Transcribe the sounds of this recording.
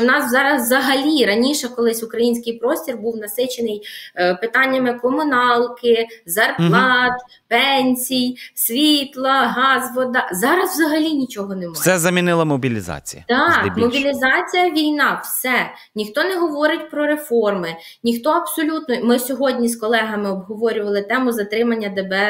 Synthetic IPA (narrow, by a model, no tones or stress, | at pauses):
nɑswzɑɾɐzzɐɦɐlʲiɾɐnʲiʃɛkɔlˠɪsʲʊkɾɐjinʲsʲkɪjpɾɔsʲtʲirbuwnɐsɪt͡ʃenɪjpɪt̪ɑnʲːɐmɪkɔmʊnɑlˠkɪzɐrplˠɑt̪ | pɛnʲsʲijsʲʋʲit̪lˠɐɦɑzʋɔd̪ɐzɑɾɐzʋzɐɦɐlʲinʲit͡ʃɔɦɔnɛmɑj̪sɛzɐmʲinɪlˠɐmɔbʲilʲizɑ̰t͡sʲijɐd̪ɑmɔbʲilʲizɑt͡sʲijɐʋʲijnɑwsɛ | nʲixt̪ɔnɛɦɔʋɔɾɪtʲpɾɔɾefɔrmɪ | nʲixt̪ɔɐbsɔlʲut̪nɔjmɪsʲɔɦɔdʲnʲiskɔlˠɛɦɐmɪɔbɦɔʋɔɾʲʊʋɐlˠɪt̪ɛmʊzɐt̪ɾɪmɐnʲːɐd̪ebɛ